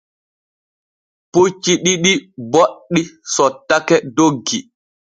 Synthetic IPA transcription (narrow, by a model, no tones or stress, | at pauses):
put͡ʃːiɗiɗiboɗːisɔtːakɛdoɡːi